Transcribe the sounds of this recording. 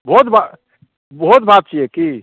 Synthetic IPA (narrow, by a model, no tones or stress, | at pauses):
bɔt̪ba | bɔɦut̪bat̪̚t͡ʃʰijɛki